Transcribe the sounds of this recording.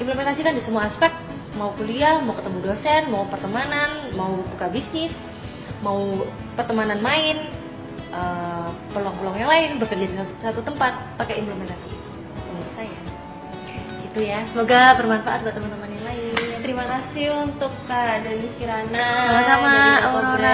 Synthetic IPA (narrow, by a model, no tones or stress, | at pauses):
impləmɛnt̪asikandisəmuaːspɛk̚t̪̚ | maukuliamaukət̪əmudosɛnmaupərt̪əmananmaubukabisnɪs | mau | pərt̪əmananmaɪn | ʔəpəlaŋpəlɔŋjaŋlaɪnbəkərdiadisasat̪ut̪əmpat̪̚pakaimpləmɛnt̪asi | t̪əmuɾusaja | ɡit̪ujasəmoɡabərmanfaʔat̪̚bat̪əmant̪əmanjaŋlaɪnt̪əɾimakasiunt̪ʊkːadaniskiɾanaamasamaoɾaŋoɾa